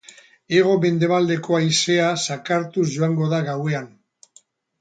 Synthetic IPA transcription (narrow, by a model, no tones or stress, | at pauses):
e̞ɣ̞o̞me̞nd̪e̞βald̪e̞ko̞ajse̞asakaɾt̪uzʝo̞aŋɡo̞ðaɣawe̞an